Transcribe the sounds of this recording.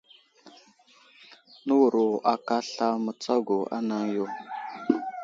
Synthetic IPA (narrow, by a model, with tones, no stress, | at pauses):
nə˦wu˨ɾo˨ʔa˨ka˦ɬa˦mə˨t͡sa˦ɡo˨a̰˦na˦ŋjo˦˨